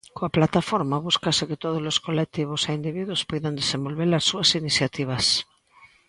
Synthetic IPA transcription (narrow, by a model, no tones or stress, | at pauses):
koaplat̪afoɾmaβuskasɪket̪oð̞ozloskolek̚t̪iβ̞ʊseind̪iβiðwospojðand̪esembolβeɾasːuɐsiniθjat̪iβ̞ɐs